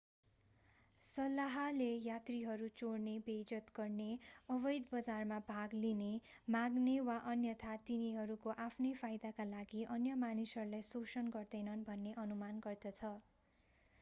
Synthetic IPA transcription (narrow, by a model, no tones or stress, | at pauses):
sʌlːaɦʌlejat̪riɦʌɾut͡soɽnebed͡zʌt̪ɡʌrneʌβʌjd̪bʌd͡zarmabʱaɡlinemaɡnewaʔʌnjʌt̪ʰat̪iniɦʌɾukoʔapʰnʌjpʰajd̪akalaɡiʔʌnjʌmanisɦʌɾulajsosʌnɡʌrd̪ʌjnʌnbʱʌnːeʔʌnumanɡʌrd̪ʌt͡sʰʌ